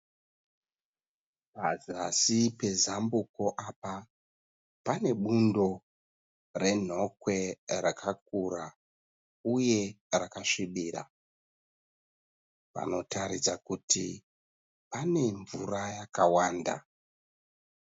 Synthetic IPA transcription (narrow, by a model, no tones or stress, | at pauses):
pazasipe̞zambuko̞ʔapa | pane̞ɓundo̞ | re̞n̤o̞kwe̞ɾakʰak̚ura | uje̞ | rakaʂiɓira̰ | pa̰no̞taɾit͡sakuti | pane̞ɱvurajakawaːnda̰